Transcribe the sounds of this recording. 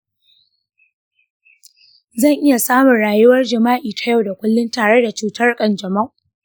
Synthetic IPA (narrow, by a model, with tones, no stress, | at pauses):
zɐ˦˨ŋʔɪ˦ja˨saː˦mʊ˨nɽaː˨jʊ˦wɐ˦rd͡ʒɪ˨maː˦ʔiː˨tʰa˦ja˦˨wda˨kʷʊ˦lːʊ˦ntaː˨ɽe˦da˨t͡ʃuː˨tɐ˦rkʼɐ˦˨nd͡ʒɐ˨mɐ˦˨ʔ